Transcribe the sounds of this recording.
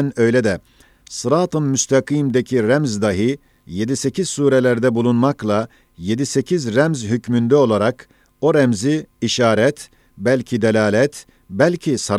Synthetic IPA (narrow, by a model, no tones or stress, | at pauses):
nøjlʲɛd̪ɛ | sɯɾat̪ʰɯmːyst̪ʰakʰimd̪ecʰiɾæmzd̪aɦɯ | je̞d̪ise̞cʰiz̥suːɾelʲæɾd̪ɛbulˠunmaklˠa | jed̪ise̞cʰizɾæmzɦycmynd̪ɛo̞lˠaɾak | o̞ɾɛmziːʃaːɾɛt̪ | bælʲcʰid̪elʲaːlʲɛt̪ | bælʲcʰisaɾ